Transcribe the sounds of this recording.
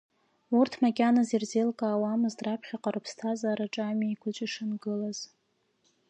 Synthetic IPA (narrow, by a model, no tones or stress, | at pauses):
urtʰmakʲʼanazirzelkʼaːwaːmɨzdrapʰχʲaqʼarɨpʰstʰazaːɾaʈ͡ʂʼamiikʷʰʊt͡ʃʼɪʂɨnɡɨlaz̥